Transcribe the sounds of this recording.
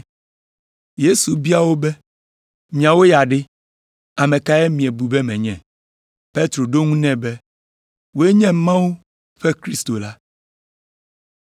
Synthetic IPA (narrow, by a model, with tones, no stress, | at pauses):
je˦su˨bi˦a˨wo˦bɛ˦ | mĩ˨ã˨wo˦ja˨ɖe˦ | a˨mɛ̃˨ka˦jɛ˦mĩ˨e˨bu˨bɛ˦mɛ̃˨ɲɛ̃˨ | pe˦t̪ɾo˨ɖo˦ŋũ˦nɛ̃˦bɛ˦ | wo˦e˦ɲɛ̃˦mã˦wu˦ | ɸɛ˦kɾi˦st̪o˨la˦